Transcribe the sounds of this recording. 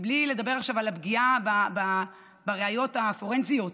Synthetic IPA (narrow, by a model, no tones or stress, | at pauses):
blile̞d̪abe̞aχʃavalabɡiababa | baʁeajo̞tafo̞ʁensijo̞t